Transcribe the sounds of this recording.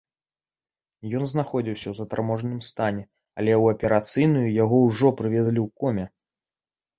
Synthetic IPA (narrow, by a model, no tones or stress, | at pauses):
jɔnznaxɔd͡zʲiwsʲɐwzɐt̪armɔʐnɨmst̪anʲɛ | ɐlʲɛwɐpʲɛɾat̪sɨjnujujaɣɔwʐɔpɾɨvʲɛzlʲiwkɔmʲɛ